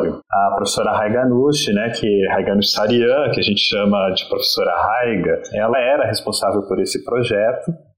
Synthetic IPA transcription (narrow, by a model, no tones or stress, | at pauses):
ɾʊ | ɐpɾofe̥soɾɐɦajɡɐnuʃɪnɛkʰɪɦajɡɐnut͡ʃɪ̥saɾiɐ̃kɪaʒẽnt͡ʃɪ̥ʃɐ̃mɐd͡ʒɪ̥pɾofe̥soɾɐ̰hajɡɐɛlɐɛɾɐɦespõsavewpoɾesɪpɾoʒɛt̪ʊ